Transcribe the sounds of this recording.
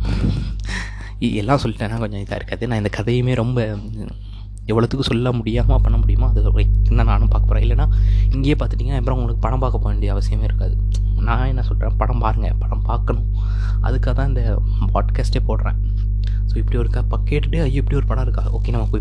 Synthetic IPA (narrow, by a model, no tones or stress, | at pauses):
ɪðɛlːãːsɔlːɪʈːẽːnaːkɔɲd͡ʒɔɐɪt̪ːã̰ːɪɾɯkːaːðɯnãːɪnd̪ɐkɐðɐjmeːɾɔmbɐ | ɛʋːɐɭɐðɯkːɯsɔlːɐmʊɽɪjaːɐmaːpɐɳːɐmʊɽɪjɯmaːɐðɯkːɯnd̪ãːnaːnɯ̃paːɾkɐpoːɾẽːɪlːɐnːaːɪŋɡejeːpaːɾt̪ɯʈːiːɡɐnaːɐpːɾõʊŋɡɐɭɯkːɯpɐɽɐmpaːkːɐpːoːeɳɖijɐʋɐsɪjɐmeːɪɾɯkːaːðɯ | nãːɛnːɐsɔlɾḛ̃ːpɐɽɐ̃mpaːɾɯŋɡɐpɐɽɐ̃mpaːɾkɐɳʊ̃ | ɐ̰ðɯkːaːt̪ãːɪnd̪ɐ | pa̰ːʈkaːsʈeːpoːʈɾẽː | soːɪpːɐɽiɔɾɯkɐpɐkːeːʈːʈːɯɐjɪpːɐɽiɔɾɯpɐɽɐ̃ɪɾɯkːaːðɔkːeːnɐmaːkuː